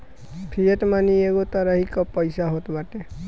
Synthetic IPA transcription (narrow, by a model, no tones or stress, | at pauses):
pʰieʈmanieɡot̪ɔɾaɦikɔpɔjsaɦot̪baʈe